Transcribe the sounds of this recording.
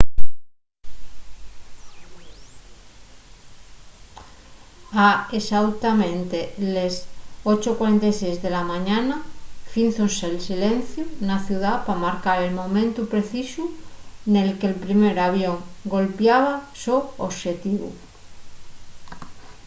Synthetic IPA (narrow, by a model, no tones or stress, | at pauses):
aesawt̪amẽnt̪elesot͡ʃokwaɾent̪ajsejzðe̞lamãɲanafinθonseːlsilẽnθjunaθjuðapamaɾkaɾe̞lmõ̞mẽnt̪upɾeθisune̞lkelpɾimeɾaβ̞joŋɡo̞lpjaβ̞asooʃet̪iβṵ